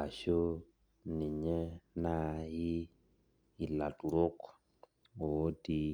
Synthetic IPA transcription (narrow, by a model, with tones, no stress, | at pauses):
a˨ʃo˦ | ni˨ɲɛ˦na˦ji˦˨ | la˨tu˨ɾo˦k | o˨˦ti˦